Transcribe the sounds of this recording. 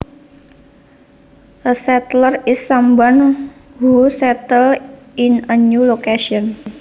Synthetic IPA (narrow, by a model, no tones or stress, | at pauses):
ʔəsɛt̪lərɪsːamban | husɛt̪əl | inənjulokeʃiɔn